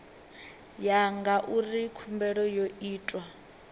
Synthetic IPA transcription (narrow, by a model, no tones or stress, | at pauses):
jaŋɡaʔurikʰumbɛɺɔjoiːtʼwa